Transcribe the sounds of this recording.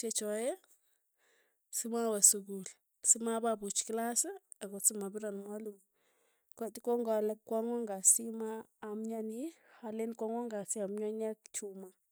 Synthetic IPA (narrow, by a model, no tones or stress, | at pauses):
t͡ʃet͡ʃɔja | simawasuɡul | simababut͡ʃklase | aɡosimabiɾanmaluŋ | kʷatikoŋɡalekwaŋoŋɡasimaːmɲanihalenkʷaŋoŋɡasiamɲoɲakt͡ʃuma